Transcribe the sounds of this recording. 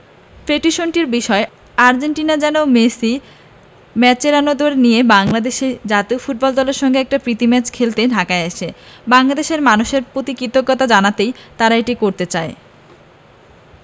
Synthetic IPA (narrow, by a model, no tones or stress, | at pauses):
fɾeʈiʃonʈiɾbiʃɔe | aɾd͡ʑeɳʈinad͡ʑɛnomesi | mɛt͡ɕeɾanod̪oɾenijebaŋlad̪eʃed͡ʑat̪ifuʈ̚bɔld̪ɔleɾʃɔŋɡeɛk̚ʈapɾit̪imɛt͡ɕkʰelt̪eɖʱakaeeʃebaŋlad̪eʃeɾmanuʃeɾpɾot̪ikɾit̪okːɔt̪ad͡ʑanat̪ejt̪aɾaeʈikoɾt̪et͡ɕae